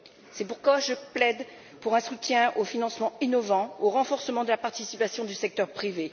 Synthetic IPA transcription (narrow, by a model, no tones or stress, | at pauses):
sɛpuʁkwaʒəplɛd̪ | puʁɛ̃sut̪jɛ̃ofinɑ̃smɑ̃inɔvɑ̃oʁɑ̃fɔʁsəmɑ̃d̪əlapaʁt̪isipasjɔ̃d̪ysɛk̚t̪œʁpχive